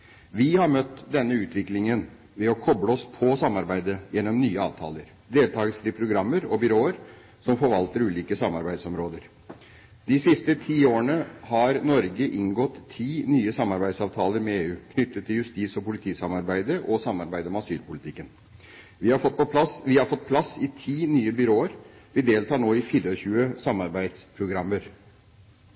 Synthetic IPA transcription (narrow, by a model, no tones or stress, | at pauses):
ʋɪhɑɾmœt̪ːd̪ɛnːəʉːt̪ʰʋɪklɪŋən | ʋɛɔkʰɔbləɔspʰɔsɑmːɑɾbæɪd̪əjɛnːɔmnyːəɑ̰ːʋt̪ʰɑ̰ːləɾ | d̪eːlt̪ʰɑːɡəsɾɪpʰɾʊɡɾɑmːəɾɔbʏɾoːəɾ | sɔmfɔɾʋɑlt̪əɾʉːliːkəsɑmːɑɾbæɪd̪sɔmɾoːd̪əɾ | d̪ɪsɪst̪ət̪ʰiːoːəɳəhɑɾnɔɾɡəʔɪŋɡɔt̪ʰːiːnyːəsɑmːɑɾbæɪsɑːʋt̪ʰɑːləɾmɛeːʉːkʰnʏt̪ːət̪ʰːɪljʉst̪iːsɔpʊlɪt̪ʰiːsɑmɑɾbæɪd̪əʔɔsɑmːɑɾbæɪd̪əmɛɑsyːlpʊlɪt̪ʰɪkːən | ʋɪɑɔpɔpɑʋɪhɑɾfɔt̪̚pʰlɑsɪt̪ʰiːnyːəbʏɾoːəɾʋɪd̪eːlt̪ʰɑːɳoːɪfiːɾəɔçʉːəsɑmɑɾbæɪd̪spʰɾʊɡɾɑmːəɾ